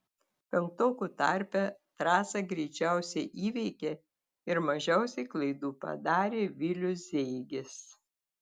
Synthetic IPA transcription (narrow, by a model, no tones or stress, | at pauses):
pʲɛŋk̚t̪oːkut̪ɑ̰ˑɾʲpʲɛt̪ɾɑːsɐɡɾʲɛɪt͡ʃʲæˑʊsʲɛɪʔiːʋʲɛɪkʲe | ɪɾmɐʒʲɛˑʊsʲɛɪklˠɐɪd̪uːpɐ̰d̪ɑːɾʲeːʋʲɪlʲʊszʲɛɪɡʲɪs